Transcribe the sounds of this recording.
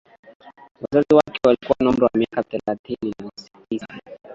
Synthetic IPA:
wazaziwakɛwalikuwanɔm̩ɾɔwamiakaθɛlat̪ʰinilɔsi̥tisḁ

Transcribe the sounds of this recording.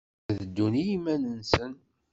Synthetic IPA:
ðəd̪ːunijimænənsən

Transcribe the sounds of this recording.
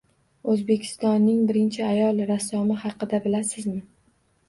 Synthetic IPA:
ɵzbe̞kʲʰɪ̥st̪ɒnːɪŋbɪɾɪnt͡ʃʰɪajɒlˠɾasɒmɪhɑqɨd̪abɪlasɪzmɪ

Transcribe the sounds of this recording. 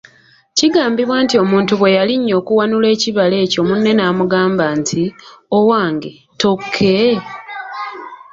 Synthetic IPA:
ciɡaːmbiβwaːntio̞muːntuβwe̞jaliɲːo̞ːkuwanule̞ːciβale̞ːco̞munːe̞naːmuɡaːmbaːntʰiowaːŋɡe | to̞kʰːe

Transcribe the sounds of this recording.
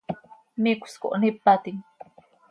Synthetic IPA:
mikʊ̥sko̰ʔnipːat̪iŋ

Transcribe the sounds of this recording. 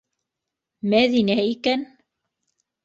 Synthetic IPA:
mæðinæikæn

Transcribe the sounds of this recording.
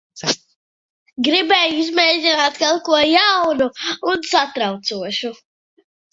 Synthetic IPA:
ɡɾibɛːjuizmɛːdʲinaːt̪kalˠkuɔjawnuunsat̪ɾawt̪suɔʃu

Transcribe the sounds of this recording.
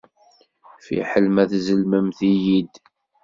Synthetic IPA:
fḭħəlmæθzəlməmθijid̪

